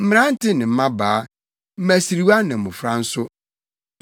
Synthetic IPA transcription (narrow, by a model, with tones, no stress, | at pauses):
m̩˦m̃˦ɾã˦n̩˦tʰɪ˦nɪ̃˨m̩˦mã˦baː˨˦ | m̩˦mæ˨si˨ɾi˨˦wa˦nã˨ʊ̃˨fɾa˦n̩˦sʊ˦